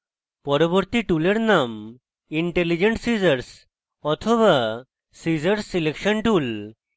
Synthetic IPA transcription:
pɔɾɔboɾt̪iʈuleɾnam | iɳʈelid͡ʑeɳʈsizəɾs | ɔt̪ʰɔβa | sizəɾsilekʃɔnʈul

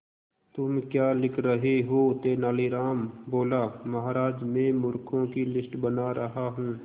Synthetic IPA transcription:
t̪ʊmkjaːlɪkʰɾəɦiɦoːt̪eːnaːliɾaːmboːlamɐɦaːɾaːd͡ʒmẽmʊɾkʰõkilɪsʈbənaɾɐɦaɦũː

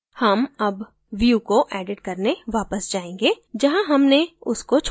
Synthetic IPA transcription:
hɐmɐb | ʋjukoʔɛːɖɪʈkɐɾneʋaːpəsd͡ʒaːẽːŋɡeː | d͡ʒɐɦãɦɐmneʊskot͡ʃʰ

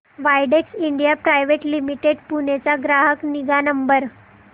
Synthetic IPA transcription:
ʋajɖeksiɳɖijapɾajʋeʈlimiʈeɖpunet͡saɡɾaɦəkniɡanəmbəɾ

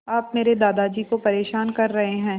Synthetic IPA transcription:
aːpmeːɾed̪aːd̪ad͡ʒikopɐɾeːʃaːnkɐɾːɐɦeɦɛ̃ː

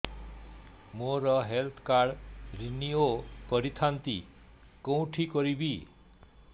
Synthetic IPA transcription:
moɾɔɦelt̪ʰkaɾɾiniopɔɾit̪ʰant̪ḭ | kõw̃ʈʰikɔɾibi

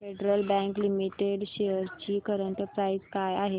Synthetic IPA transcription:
feɖɾəlbɛ̃ŋklimiʈeɽɕejəɾt͡ɕiːkəɾəɳʈəpɾaizkajaɦe

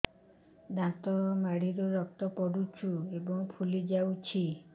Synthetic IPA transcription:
d̪ʱãt̪ɔmaɽ̤iɾɔɾɔkt̪ɔpɔɽut͡ʃʰuebɔŋpʰulid͡ʒawt͡ʃʰi

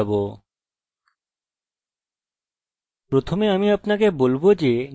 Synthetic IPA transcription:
bo | pɾot̪ʰomeamiapnakebolbod͡ʑe

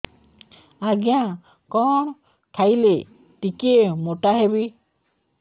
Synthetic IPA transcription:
aɡijã | kɔɳ̃ | kʰajle | tikemoʈaɦebi

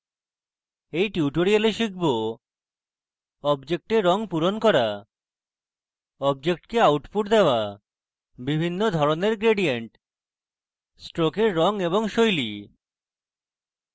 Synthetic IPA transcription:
ejʈjuʈoɾialeʃik̚ʰbo | ɔbd͡ʑek̚ʈeɾːɔŋpuɾonkɔɾa | ɔb̚d͡ʑek̚ʈkeawʈfuʈd̪eoa | bibʱinːod̪ʱɔɾoneɾɡɾeɖieɳʈ | sʈɾokeɾːɔŋeβoŋʃojli

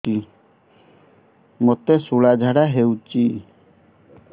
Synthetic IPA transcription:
i | mot̪esuɭad͡ʒʱaɽaɦewt͡ʃi

